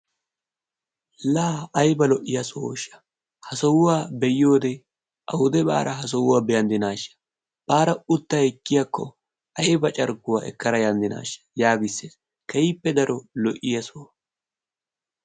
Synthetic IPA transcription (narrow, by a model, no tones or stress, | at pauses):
laːjbɐlɔʔːɪjɐsoːʃːɐ̥ | hɐsɔwʊwaːbɛjjo̞ːd̪ɛ | ʔɐwʊd̪ɛba̰ːɾʔɐɦɐs̬ɔwʊwaːbɛjɐnd̪ɪnaːʃɐ̥ | baːɾɐʊt̪ːɐɛkːɪjɐkːɔ̰ | ʔɐjbɐt͡ʃʼɐɾɡʊwa̰ːʔɛ̰kːɐɾɐjɐnd̪ɪna̰ːʃɐ̥jaːɡɪsːeːs | kɐipːɛd̪ɐɾɔlɔʔɪjɐsoː